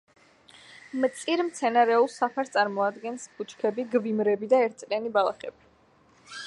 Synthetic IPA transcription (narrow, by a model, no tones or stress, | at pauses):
mt̪sʼiɾmt̪sʰɛnaɾɛulˠsapʰaɾst̪ʼaɾmɔad̪ɡɛnsbʰut͡ʃʰkʰɛbiɡvimɾɛbid̪aɛɾt̪̚ʰtsʼlianibalˠa̰χɛbi